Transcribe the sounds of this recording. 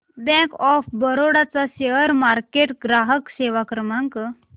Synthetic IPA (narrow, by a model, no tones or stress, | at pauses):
bɛ̃kɔfbəɾoɽat͡saɕeəɾmaɾkeʈɡɾaɦəkseʋakɾəmaŋk